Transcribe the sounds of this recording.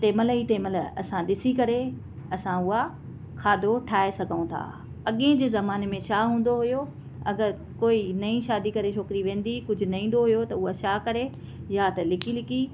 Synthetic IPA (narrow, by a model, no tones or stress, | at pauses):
t̪eːmələit̪eːmələɐ̰sãɗɪsikɐɾe | ɐsãʊɦa | kʰaːd̪ʱoʈʰaːesɐɡʱəũt̪ʰa̰ː | ɐɠẽd͡ʑeːzɐmaːnemẽt͡ɕʰaːɦũːn̆d̪oɦʊjo | ɐɡəɾ | koːinɐĩʃaːd̪ikɐɾet͡ɕʰoːkɪɾiʋẽːn̆d̪ikʊd͡ʑʱʊ̆nɐĩːn̆d̪oɦʊjot̪ɐʊɦat͡ɕaːkɐɾe | jat̪ɐlɪkilɪki